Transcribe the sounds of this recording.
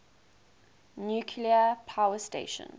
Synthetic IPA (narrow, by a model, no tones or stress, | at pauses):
njuːkʰliəpʰawəstḛɪʃə̰̃n